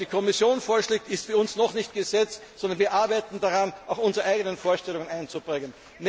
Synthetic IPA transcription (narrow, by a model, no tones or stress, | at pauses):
d̥iːkʰɔmɪsjoːnfoːɐʃleːk̚tɪstfyːɐʊnsnɔχnɪçt̚ɡ̥əzɛt͡stsɔndɐnviːɐʔaɐbæɪtn̩daʁanaʊxʊnzəʁəʔaɪɡənənfoːɐʃtɛlʊŋənaɪnt͡sub̥ʁɪŋən | n